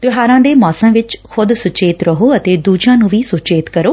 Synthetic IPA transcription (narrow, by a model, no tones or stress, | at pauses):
t̪ɪɦaːɾãːd̪eːmɔːsəmʋɪt͡ʃkʰʊd̪sʊt͡ʃeːt̪ɾəɦoːət̪eːd̪uːd͡ʒãːnũːʋiːsʊt͡ʃeːt̪kəɾoː